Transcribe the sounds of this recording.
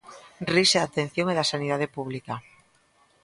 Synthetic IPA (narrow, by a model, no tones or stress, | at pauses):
riʃeðat̪ẽn̟θjoŋeðasaniðað̞epuβlika